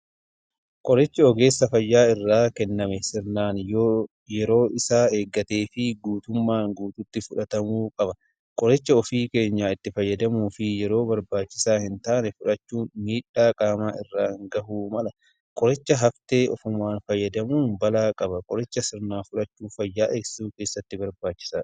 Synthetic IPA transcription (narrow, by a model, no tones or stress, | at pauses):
kʼɔɾɛt͡ʃːɐɔɡe̞ːsːɐfɐjːaːɪrːaːkɛnːɐmɛsɪɾnaːnjoː | jɛɾo̞ːʔɪsaːeːɡːɐt̪e̞ːfɪɡuːt̪ʊmːaːŋɡuːt̪ʊt̪ːɪfʊᶑɐt̪ɐmuːkʼɐbɐ | kʼɔɾɛt͡ʃːɐɔfiːke̞ːɲːaːɪt̪ːɪfɐjːɐd̪ɐmuːfɪjɛɾo̞ːbɐɾbaːt͡ʃːɪsaːhɪnt̪aːnɛfʊᶑɐt͡ʃːuːnmiːᶑaːkʼaːmaːɪrːaːŋɡɐhuːmɐlɐ | kʼɔɾɛt͡ʃːɐɦɐft̪e̞ːʔɔfʊmːaːnfɐjːɐd̪ɐmuːnbɐlaːkʼɐbɐkʼɔɾɛt͡ʃːɐsɪɾnaːfʊᶑɐt͡ʃːuːfɐjːaːʔeːssuːke̞ːsːɐt̪ːɪbɐɾbaːt͡ʃːɪ̥saː